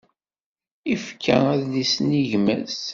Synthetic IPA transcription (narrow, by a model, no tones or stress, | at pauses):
ifkʰːæ̰æðlisniʝmæ̰s